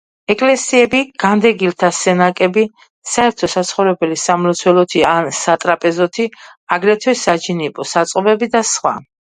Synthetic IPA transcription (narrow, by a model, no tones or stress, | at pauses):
ɛkʼlɛsiɛbiɡ̥and̪ɛɡilt̪ʰasɛnakʼɛbi | saɛɾt̪ʰɔsat̪sʰχɔvɾɛbɛlisamlɔt̪sʰwɛlɔt̪ʰiansat̪ʼɾapʼɛzɔt̪ʰiaɡɾɛt̪ʰwɛsad͡ʒinipʼɔsat̪sʼqʼɔbɛbid̪asχwa̰